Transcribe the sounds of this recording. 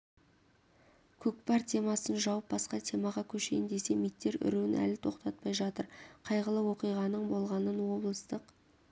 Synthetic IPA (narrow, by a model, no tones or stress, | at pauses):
kʲʰɵk̚pɑɾt̪ʲʰe̞mɑsənʒɑwəp̚bɑsqɑt̪ʰe̞mɑʁɑkʲʰɵʃe̞jɪnd̪e̞se̞mijt̪ːe̞ɾʏ̰ɾewɪnʔæ̰lɪt̪ʰo̞qt̪ɑt̪̚pɑjʒɑt̪əɾqʰɑjʁəlˠəwo̞qijʁɑnəɴbo̞lˠʁɑnənwo̞blˠəst̪əq